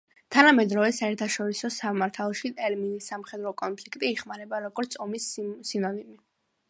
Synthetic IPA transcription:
t̪ʰanamɛd̪ɾɔvɛsaɛɾt̪ʰaʃɔɾisɔsamaɾt̪ʰalˠɔʃit̪ʼɛlminisːamχɛd̪ɾɔkʼɔnpʰlikʰt̪ʼiːχmaɾɛbaɾɔɡɔɾt̪sʰɔmisːinɔnimi

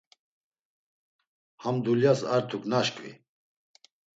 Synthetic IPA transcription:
hamd̪uljasa̰ɾt̪ʰuknaʃkʼvḭ

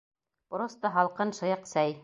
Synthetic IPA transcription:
pɾost̪ɑɦɑlˠqɤnʃɤ̆jɤqsæj

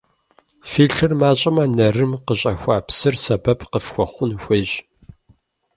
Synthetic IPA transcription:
fiːɬɨrmaːɕʼɪmɐnɐrɨmqəɕʼɐxʷaːpsɨrsɐbɐpqəfxʷɔχʷʊnxʷeːɕ

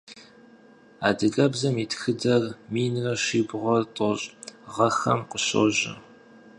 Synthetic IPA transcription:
a̰ːdɨɡʼɐbzɐmiːtʰxɨdɐrmiːnrɐʃiːbʁʷɔrtʼɔɕʼʁɐxɐ̰mqəɕo̰ʑɪ̰

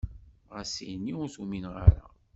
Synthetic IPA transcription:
ʁəsijnːiʊɾθuminʁaɾa̰

